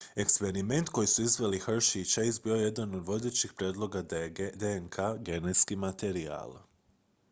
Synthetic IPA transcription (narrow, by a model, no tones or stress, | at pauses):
e̞kspe̞ɾime̞nt̪ko̞jisuizʋe̞lixr̩ʃit͡ʃeizbio̞je̞d̪ano̞d̪ʋo̞d̪eːt͡ɕixpɾjeːd̪lˠo̞ɡad̪ajed̪eŋkʰaɡe̞net̪skimat̪eɾia̰ːlˠ